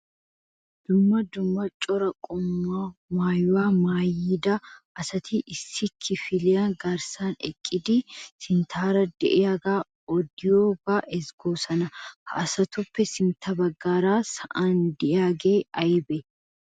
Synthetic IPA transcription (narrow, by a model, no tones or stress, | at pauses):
d̪̥ʊmːɐd̪ʊmːɐt͡ʃʼɔɾɐkʼʊmːaːmaːjwaːmaːjiːd̪ɐʔɐsɐt̪iʔɪsːɪkʰɪfɪlɪjaɡaɾsaːnɛ̰kʼːɪd̪isɪnt̪ʰaːɾɐd̪̥ɛʔɛaɡaː | ɔd̪ɪjoːbaːʔɛsɡoːsɐnɐhɐʔːsɐt̪ʊpːɛsɪnt̪ʰɐbɐɡːaːɾaːsɐʔand̪ɛʔaːɡeːɐjbɛ